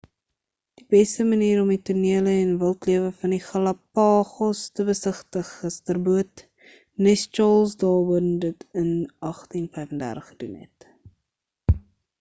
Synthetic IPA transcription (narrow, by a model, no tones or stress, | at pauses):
d̥ibɛstəməniːɾɔmituniələɛnvəlˠtliəvəfɐniχɐlɐpɑːχɔstəbəsəχtəχəstərbuət | nɛst͡ʃɑːlˠsdɑːbəndətənɐχtinfɛjfəndæ̰rtəχəd̥unɦɛ̰t